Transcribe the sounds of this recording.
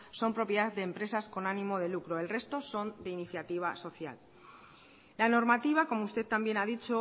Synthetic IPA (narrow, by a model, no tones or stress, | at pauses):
so̞mpɾo̞pjeðaððe̞ːmpɾe̞sasko̞nanĩmo̞ð̞e̞lukɾoe̞lre̞st̪o̞so̞nd̪einiθjat̪iβ̞aso̞θja̰l | lano̞ɾmat̪iβ̞ako̞moust̪e̞tt̪ambje̞naðit͡ʃo